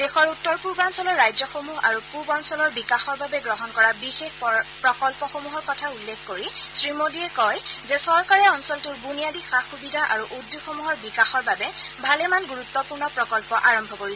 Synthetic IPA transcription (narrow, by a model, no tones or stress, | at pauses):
dexɔɹutːɔɹpuɹbansɔlɔɹːajd͡ʒzɔxomuɦa̰ɹupuɹbaɔnsɔlɔɹbikaxɔɹbabɛɡɹɔɦɔnkɔɹabixexpɹɔkɔlpɔxomuɦɔɹkɔtʰaulːekkoɹisɹimodiɛkɔjzɛsɔɹkaɹɛɔnsɔltuɹbunijadixaxubidʱaʔaɹuʔudjuxomuɦɔɹbikaxɔɹbabɛ | bʱalɛmanɡuɹutːɔpuɹnɔpɹɔkɔlpɔʔaɹɔmbʱɔkoɹis